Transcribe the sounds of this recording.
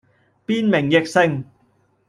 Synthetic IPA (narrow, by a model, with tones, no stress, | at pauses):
piː˥nmɪ˨˩ŋjɪ˨k̚sɪ˧ŋ